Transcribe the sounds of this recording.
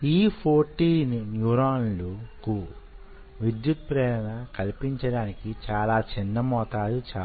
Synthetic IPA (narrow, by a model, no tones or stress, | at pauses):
iːpʰoːɾʈiːnjuːɾaːnluku | ʋid̪jut̪̚pɾɛːɾɐnɐkɐlipiɲt͡ʃɐɽaːnikit͡ʃaːlaːt͡ʃinːɐmɔːt̪aːd̪ut͡ʃaː